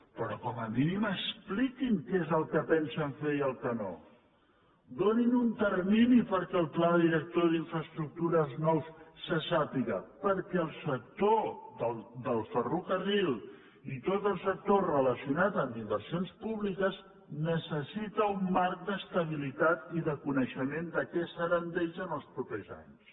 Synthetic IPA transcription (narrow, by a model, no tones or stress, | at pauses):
pəɾɔkɔməminiməsplikiŋkezəlˠkəpɛnsəɱfeiəlˠkəno̰ | d̪oninunt̪ərminipəɾkɛːlˠplaðiɾək̚t̪oðiɱfɾəst̪ɾuk̚t̪uɾəznɔwsːəsapiɣə̰pəɾkɛəlˠsək̚t̪oðəd̪əlˠfərukərilˠ | it̪ot̪əlˠsək̚t̪orələsiunat̪əmimbəɾsionspuβlikəz | nəsəsit̪əumːaɾk̚d̪əst̪əβilit̪at̪iðəkunəʃəmend̪əkɛsəɾənd̪eʎzənəlˠspɾupɛza̰ɲs